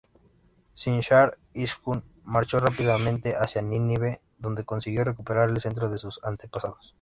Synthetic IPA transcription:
sinʃaɾ | iskun | maɾt͡ʃorapiðamẽnt̪eʔasjaniniβe | ðond̪e̞konsiɣjorekupeɾaɾelse̞nt̪̬ɾoðesusant̪epasaðos

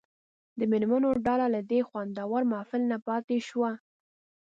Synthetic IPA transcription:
d̪əmɪlmanoɖɑlalad̪exwand̪ɑwaɾmɑfɪlnapɑt̪eʃwa

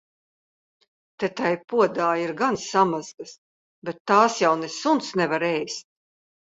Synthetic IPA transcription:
t̪ɛt̪ajpuɔd̪aːiɾɡansamazɡɐs | bɛt̪ːaːsjawnesunsnɛvaɾɛjst̪̚

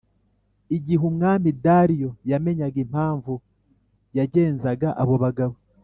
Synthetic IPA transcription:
iɟiɦumŋaːmidaːɾijo̞jame̞ɲaɡem̥haːɱvu | jaɟe̞ːnzaɡaʔaβo̞βaɡaβo

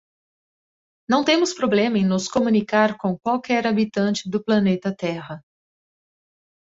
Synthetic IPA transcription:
nɐ̃w̃t̪ẽmʊspɾoblẽmɐẽj̃nʊskomũnikaɾkõw̃kwawkɛɾabit̪ɐ̃t͡ʃɪd̪ʊplɐnet̪ɐt̪ɛɦɐ

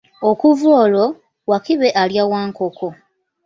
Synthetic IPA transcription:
okuvoːlo̞ | wakiβe̞ʔaljawaːŋkokʰo

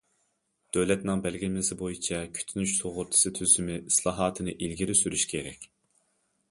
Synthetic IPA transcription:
d̪̥øwlɛt̪nɪŋbælɡʲɪlmɪsɪbojit͡ʃʰɛkʲʰy̥t̪ʰynyʃsoʁʊɾt̪ʰɨ̥sɨt̪ʰyzymɪislˠɑːɦɑːt̪ʰɨnɨʔilɡʲiɾɪsyɾyʃkʲʰeɾɛ̰kʲ

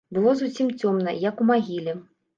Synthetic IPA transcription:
bɨlˠɔzusʲimt͡sʲɔmnɐ̰jɐkumaɣʲilʲɛ

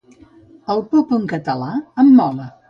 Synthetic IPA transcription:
əlˠpɔpəŋkət̪əlaəmːɔlə

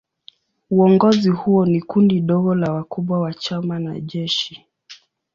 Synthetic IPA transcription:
uɔŋɡɔzihuɔnikundiɗɔɠɔlawakuɓwawat͡ʃamana̰ʄɛʃi

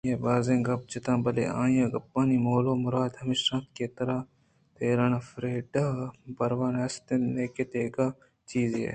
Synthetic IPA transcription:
jeːbaːzẽɡɐb̚t͡ʃɪt̪ãːbɐlḛʔãːjãːɡɐpːaːnimoːloːmʊɾaːd̪hɐmɪʃɾãːt̪keːt̪ɐɾaː | t̪eːɾɐnafɾeːɖaːbɐɾʋaːnɐst̪enneːket̪eːɡaː | t͡ʃiːzḛː

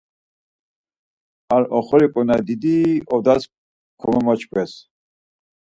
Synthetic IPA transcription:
aɾɔχɔɾikʼɔnad̪id̪iɔd̪as | kʰɔmɛmɔt͡ʃʰkʰʼwɛs

